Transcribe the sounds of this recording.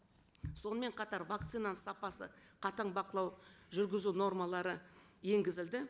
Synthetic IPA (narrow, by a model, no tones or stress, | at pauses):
so̞nəme̞ɴqʰɑt̪ɑɾvak̚t̪sinasɑpɑsə̰qʰɑt̪ɑɴbɑqəlˠɑwʒʏɾɡʲɪzuno̞ɾmɑlˠɑɾəje̞ŋɡʲɪzɪld̪ɪ